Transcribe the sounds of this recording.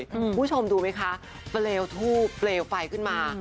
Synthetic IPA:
u˧˦˥t͡ɕʰo˧mduː˧ma˦˥jkʰa˦˥ | pleː˧wt̪ʰuː˥˩pleː˧wpa˧jkʰɯ˥˩nmaː˧

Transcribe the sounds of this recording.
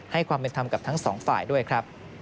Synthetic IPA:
ha˥˩jkʰwaː˧mpe˧nt̪ʰa˧mka˨˩p̚t̪ʰa˦˥ŋsɔː˩˦ŋfaː˨˩jdu˥˩əjkʰɾa˦˥p̚

